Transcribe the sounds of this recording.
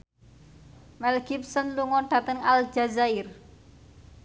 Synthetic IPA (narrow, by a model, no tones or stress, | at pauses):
mɛlɡip̚sənluŋɔɖ̥ä̤t̪əŋald͡ʒazair